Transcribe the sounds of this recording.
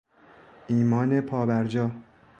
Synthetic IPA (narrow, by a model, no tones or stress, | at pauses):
ʔiːmɒːnepʰɒːbæɾd͡ʒɒː